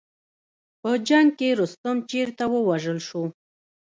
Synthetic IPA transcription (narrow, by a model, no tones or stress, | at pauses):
pəd͡ʒaŋɡkeɾʊst̪əmt͡ʃeɾt̪awəwaʒəlʃo